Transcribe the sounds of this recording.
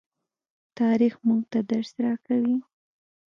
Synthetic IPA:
t̪ɑɾixmuɡt̪ad̪aɾsɾɑkawi

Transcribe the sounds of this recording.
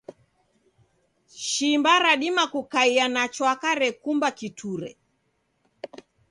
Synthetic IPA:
ʃimbaɾaɗimakukaianat͡ʃwakaɾɛkumbakitʰuɾɛ̰

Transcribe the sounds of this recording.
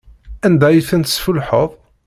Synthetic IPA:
ænd̪æjəθənt̪sfʊlħəðˤ

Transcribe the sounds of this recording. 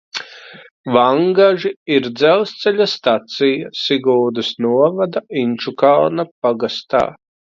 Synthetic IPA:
vaŋɡaʒiiɾd̪zɛlˠst̪sɛʎʲast̪at̪sijasiɡuːd̪ɨsnuɔvad̪aint͡ʃukalˠnapaɡast̪a̰ː

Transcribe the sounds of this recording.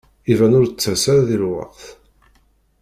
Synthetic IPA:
ivænʊɾt͡sːæsæɾðilwɑ̰qθ

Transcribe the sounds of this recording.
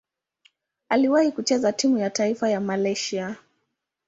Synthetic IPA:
aliwahikut͡ʃɛzatimujataifajamalɛʃia

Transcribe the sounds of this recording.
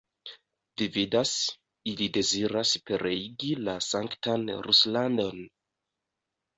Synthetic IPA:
d̥ividas | ilide̞ziɾaspe̞ɾeiɡilasaŋktanɾuslando̞n

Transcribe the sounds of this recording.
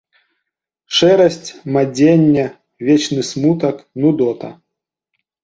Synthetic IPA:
ʂɛɾɐsʲt͡sʲmad͡zʲenʲːɛ | vʲet͡ʃnɨsmut̪ɐknud̪ɔt̪ɐ̰

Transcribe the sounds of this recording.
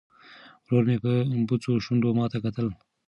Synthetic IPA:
wɾoɾmepəbut͡soʃund̪omɑt̪akat̪əl

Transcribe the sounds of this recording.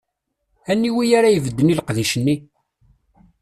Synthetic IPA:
ænːiwijaɾajəvəd̪ːəniləqðiʃənːi

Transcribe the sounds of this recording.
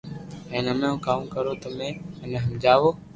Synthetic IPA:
ẽːnəmẽːũːkaːmkəɾoːt̪əmẽːəmẽːɦəmd͡ʒaːʋoː

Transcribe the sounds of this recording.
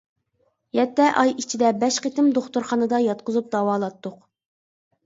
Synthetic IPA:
jɛt̪ːɛʔɑjit͡ʃʰid̪ɛbɛʃqet̪ɪmd̪oχt̪uɾχɑnɨd̪ɑjɑt̪qʊzup̚d̪ɑwɑːlˠɑt̪ːʊq

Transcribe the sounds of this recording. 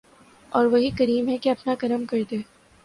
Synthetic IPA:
ɔːɾʋɐɦikɐɾiːmɦɛkeɐpnakɐɾəmkɐɾd̪eː

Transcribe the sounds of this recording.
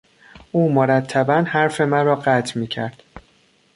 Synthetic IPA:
ʔuːmoɾæt̪ʰːæbænhæɾfe̞mænɾɒːɢæt̪ʰmiːcʰæɾd̪̥

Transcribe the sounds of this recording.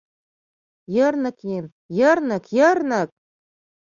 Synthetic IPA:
jɤ̆rnɤ̆kjen | jɤ̆rnɤ̆kjɤ̆rnɤ̆k̚

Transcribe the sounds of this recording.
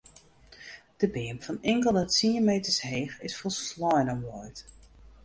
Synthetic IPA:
d̥əbɪənfɔnɪŋkəlˠəsimejtəsheːχɪsfosslɔjnənʋɔjt

